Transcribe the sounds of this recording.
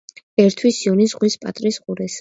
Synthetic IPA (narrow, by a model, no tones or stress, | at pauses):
ɛɾt̪ʰwisiɔnisʁwispʼa̰t̪ʼɾisqʼuɾɛs